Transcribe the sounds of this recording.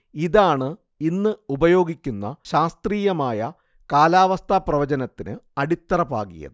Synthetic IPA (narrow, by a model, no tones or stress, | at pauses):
iðaːɳɨ | inːɨubɐjo̞ːɡikʲːunːɐ̰ɕaːst̪riːjɐmaːjɐ | kaːlaːʋɐst̪ʰaːprɐʋɐd͡ʑɐnɐt̪ːinɨɐɽit̪ːɐrɐpa̰ːɣḭjɐ̰ðɨ